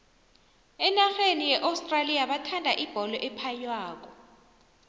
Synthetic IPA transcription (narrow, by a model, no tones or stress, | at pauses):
ɛnaxenijɛʔawstʼralijaɓatʰandʱaʔib̥ʱɔlɔʔɛpʰajwaːk̬ɔ